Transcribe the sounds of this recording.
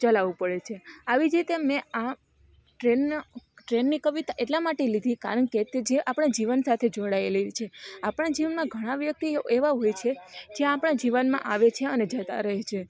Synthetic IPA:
t͡ʃəlaʋupəɭet͡ʃʰeaʋid͡ʒɾit̪emẽa | ʈɾenʈɾenːikəʋit̪aʔeʈlamaʈelid̪ʱika̰ɾəɳket̪ed͡ʒeʔapɽ̃ãd͡ʒiʋənsat̪ʰed͡ʒoɽaelit͡ʃʰeapɽ̃ad͡ʒiʋənmãɡʱəɽ̃aʋjək̚t̪ieʋaɦojt͡ʃʰed͡ʒeapɽ̃ad͡ʒiʋənmã̰ʔaʋet͡ʃʰeəned͡ʒət̪a̰ɾəɦet͡ʃʰe

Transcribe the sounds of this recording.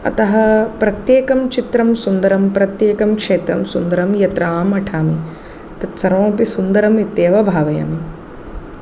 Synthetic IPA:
ɐ̰t̪ɐɦɐ̆pɾɐt̪jeːkɐmt͡ʃit̪ɾɐmsund̪ɐɾɐmpɾɐt̪jeːkɐmkʂeːt̪ɾɐmsund̪ɐɾɐmjɐt̪ɾaːmɐʈʰaːmi | t̪ɐt̪sɐɾõːpisund̪ɐɾɐmit̪ːeːʋɐbʱaːʋɐjɐ̰mi

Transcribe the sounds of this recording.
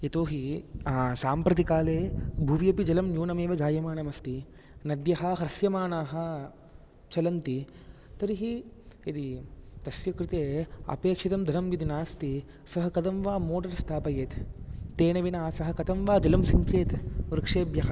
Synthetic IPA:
jɐt̪oːɦiaːsaːmpɾɐt̪̬ikaːleːbʱuʋjɐpid͡ʒɐlɐmnjuːnɐmeːʋɐd͡ʒaːjɐmaːnɐmɐst̪i | nɐd̪jɐɦɐɦɾɐsjɐmaːnaːɦɐ̆ | t͡ʃɐlɐnt̪i | t̪ɐɾiɦiɐd̪it̪ɐsjɐkɾɪt̪eːɐ̰peːkʂit̪ɐmd̪ʱɐɾɐmjid̪inaːst̪i | sɐɦɐkɐd̪ɐmʋaːmoːʈɐɾst̪ʰaːpɐjeːt̪ːeːnɐʋinaːsɐɦɐkɐt̪ɐmʋaːd͡ʒɐlɐmsiɲkeːt̪uɾkʂeːbjɐɦɐ

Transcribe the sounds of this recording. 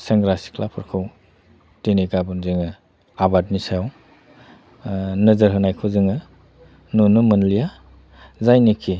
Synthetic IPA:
seŋɡɾasi̥kʰlapʰɯɾkʰaw | teniɡabunzɯŋɯ | abat̚nisaw | nɯzəɾɦɯnajkʰɯzɯŋɯ | nunumɯnlija | zajnikʰi

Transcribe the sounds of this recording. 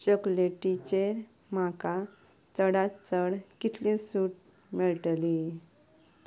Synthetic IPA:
t͡ɕəkuleʈit͡ɕeɾ | m̤aka | t͡səɽat͡səɽkit̪ʰlĩsuːʈ̚ | meɭʈli

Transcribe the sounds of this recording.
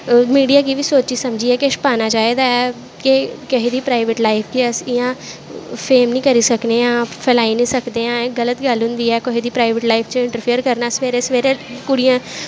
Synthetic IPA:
miːɖijaːkiːʋiːsoːt͡ʃiːsəmd͡ʒiːɛːkɪʃpaːnaːd͡ʒaːeːd̪aːɛː | kekɪɦed̪iːpɾaːɪʋeʈlaːipʰkeəsɪjãːpʰeːmnĩːkəɾiːsəkneːãːpʰɛlaːinĩːsəkd̪eːãːɡələt̪ɡəlɦʊ̃nd̪iːɛːkʊɦed̪iːpɾaːiʋeʈlaːipʰt͡ʃəɪ̃ɳʈəɾpʰijəɾkəɾnaːsʋeːɾeːsʋeːɾẽkʊɽijãː

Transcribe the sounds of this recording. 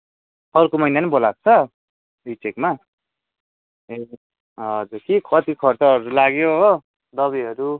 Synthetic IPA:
ʌrkomʌjnanʌbolak̚t͡sʰʌ | rit͡sekma | e | ʌd͡zukikʰʌt̪ikʰʌrt͡sʌɦʌɾulaɡjoɦo | d̪ʌβiʌɾu

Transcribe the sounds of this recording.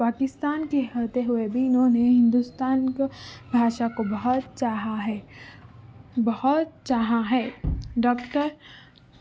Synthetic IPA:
paːkɪst̪aːnkeɦət̪eɦʊebʱiɪnɦõːneɦɪ̃nd̪ust̪aːnkbʱaːʃakobɐɦɔt̪t͡ʃaːɦaɦɛː | bɐhɔt̪t͡ʃaːɦaɦɛːɖɔːkʈəɾ

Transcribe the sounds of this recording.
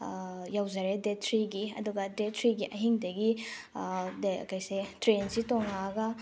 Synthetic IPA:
jawzɐɾedetʰɾiɡiɐ̰duɡɐdetʰɾiɡiʔɐɦiŋdɐɡi | dkajsetɾensitoŋaɦɐɡɐ

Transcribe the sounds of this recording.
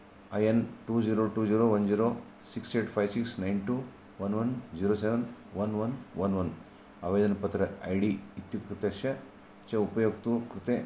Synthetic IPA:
ɐjɐnʈuːd͡ʒiːɾoːʈuːd͡ʒiːɾoːʋɐnd͡ʒiːɾoː | sikseːʈpʰɐjsiksnɐjnʈuː | ʋɐnʋɐnd͡ʒiːɾoːseʋɐnʋɐnʋɐnʋɐnʋɐn | ɐʋeːd̪ɐnɐpɐt̪ɾɐɐjɖiit̪jukɾɨt̪eʃɐ | t͡ʃɐupɐjoːɡt̪ukɾɪt̪eː

